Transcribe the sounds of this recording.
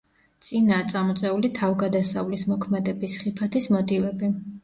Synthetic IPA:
t̪sʼinaːt̪sʼamɔt̪sʼɛulit̪ʰavɡad̪asavlismɔkʰmɛd̪ɛbisχipʰat̪ʰismɔt̪ʼivɛbi

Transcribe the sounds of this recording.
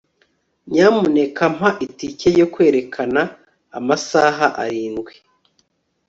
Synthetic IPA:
ɲaːmune̞kam̥haʔiticejokwe̞ːɾekʰanaː | masaːɦaʔa̰ɾiːnɡwe

